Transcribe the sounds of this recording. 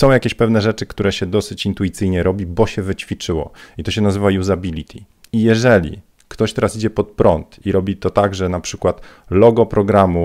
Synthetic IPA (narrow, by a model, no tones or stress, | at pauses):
sɔ̃w̃jakʲeɕpɛvnɛʐɛt͡ʂɘkt̪uɾɛɕɛd̪ɔsɘt͡ɕint̪ujit̪sɘjɲɛɾɔbʲibɔɕɛvɘt͡ɕfʲit͡ʂɘwɔ̰it̪ɔɕɛnazɘvajuzabʲilʲit̪ʲʰi | ijɛʐɛlʲḭ | kt̪ɔɕt̪ɛɾasid͡ʑɛpɔt̪̚pɾɔnt̪iɾɔbʲit̪ɔt̪aɡʐɛnapʂɘkwat̪lɔɡɔpɾɔɡɾamu